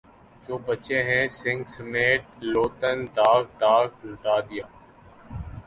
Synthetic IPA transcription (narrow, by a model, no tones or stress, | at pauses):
d͡ʒoːbət͡ʃẽːɦɛ̃ːsɪ̃ŋɡsəmeːʈ̚loːt̪ənd̪aːɡd̪aːkɦʊʈaːd̪ɪjaː